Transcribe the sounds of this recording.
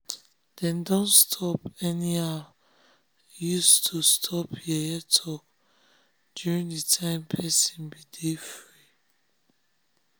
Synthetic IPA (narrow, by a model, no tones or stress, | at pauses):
d̥ɛ̃ndɔ̃nstʰɔpɛnia | justʰustʰɔpʰjɛɛtʰɔk | d̥juɹĩŋditʰãɪ̃mpʰɛsĩnbidefɹi